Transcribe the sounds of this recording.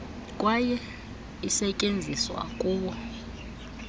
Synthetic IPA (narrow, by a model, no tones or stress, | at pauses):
kʼwajɛ | isɛcʼend͡zʱiswa̰kʼuːɓɔ